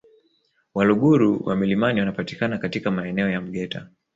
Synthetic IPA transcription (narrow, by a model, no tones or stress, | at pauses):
waluɠuɾuwʔa̰milimaniwanapati̥kanakatikamaɛnɛɔjam̩ɠɛtʰa̰